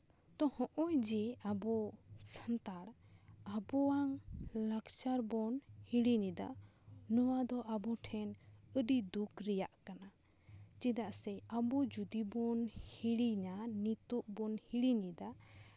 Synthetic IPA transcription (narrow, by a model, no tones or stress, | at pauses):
t̪ɔhɔ̃ʔɔjd͡ʒɛabɔsant̪aɽ | abɔwaŋlakt͡ʃaɾbɔnhiɽinid̪a̰ | nɔwad̪ɔʔabɔʈʰɛnəɖid̪ukɾɛjaʔkana | t͡ʃid̪aʔsɛabɔd͡ʒud̪ibɔnhiɽiɲanit̪uʔbɔnhiɽinid̪a